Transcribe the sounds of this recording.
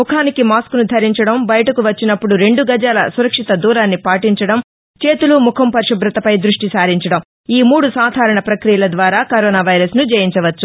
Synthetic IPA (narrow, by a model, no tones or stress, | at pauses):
mukʰaːnikimaːskunud̪ʱɐɾiɲt͡ʃɐɽɐmbɐjɐʈɐkuʋɐt͡ʃːinɐpːuɽuɾe̞ɳɖuɡɐd͡ʒaːlɐ̰suɾɐkʂit̪ɐd̪uːɾaːnːipaːʈiɲt͡ʃɐɽɐm | t͡ʃe̞ːt̪ulumukʰɐmpɐɾʂɐbɾɐt̪ɐpɐjd̪ɾuʂʈisaːɾiɲt͡ʃɐɽɐm | iːmuːɽusaːd̪ʱaːɾɐɳɐpɾɐkɾijɐlɐd̪ʋaːɾaːkɐɾɔːnaːʋɐjɾɐsnud͡ʒɐjiɲt͡ʃɐʋɐt͡ʃːu